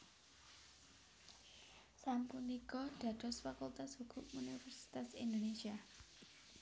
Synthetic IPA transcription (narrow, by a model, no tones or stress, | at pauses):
sampunikɔd̥ä̤d̪̥ɔ̤sfakult̪ashukʰʊp̚unifɛrsi̥t̪asind̪onesia